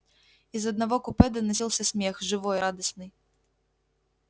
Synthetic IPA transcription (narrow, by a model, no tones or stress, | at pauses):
izɐd̪navɔkupɛd̪ɐnɐsʲilˠsʲɐsʲmʲɛxʐɨvɔjɾad̪ɐsnɨj